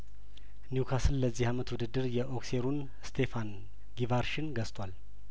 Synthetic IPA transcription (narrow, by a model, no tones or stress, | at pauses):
njukʰasɨlləzːihamət̪wud̪ɨd̪ːɨɾjɛʔokseɾun | st̪ʰe̞fan | ɡivaɾʃɪnɡəst̪ʼwal